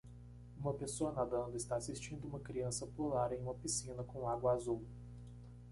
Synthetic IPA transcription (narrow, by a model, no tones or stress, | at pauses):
ũmɐpesoɐnad̪ɐ̃nd̪ʊɪst̪aasist͡ʃĩnd̪ʊũmɐkɾiɐ̃sɐpulaɾẽj̃ũmɐpisĩnɐkõw̃aɡwɐazuw